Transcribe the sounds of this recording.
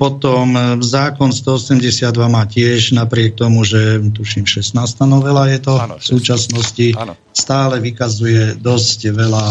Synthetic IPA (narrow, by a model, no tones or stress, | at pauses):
pɔt̪ɔmzaːkɔnst̪ɔɔsɛmɟɛsɪad̪ʋamaːcɪɛʒnapɾɪɛk̚t̪ɔmuʒɛt̪̬uʃimʃɛst̪naːst̪anɔʋɛlajɛt̪ɔfsuːt͡ʃasnɔsci | st̪aːlɛʋikazujɛd̪ɔscʋɛla